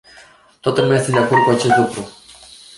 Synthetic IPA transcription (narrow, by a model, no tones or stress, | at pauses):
t̪ot̪ulmeasend̪eakord̪̚kuat͡ʃe̞st̪lukɾu